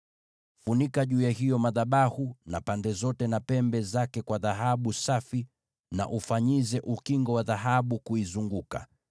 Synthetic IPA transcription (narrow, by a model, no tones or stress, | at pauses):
funikaʄuːjaɦijɔmaðaɓahunapandɛzɔtɛnapɛmbɛzakɛkwaðaɦaɓusafi | na̰ʔufaɲizɛʔukiŋɡɔwaðaɦaɓukuizuŋɡuka̰